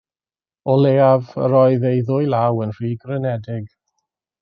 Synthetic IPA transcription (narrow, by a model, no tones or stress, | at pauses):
ɔleːavə̰ɾɔɨðejðʊjlawənr̥iːɡrənɛdɪɡ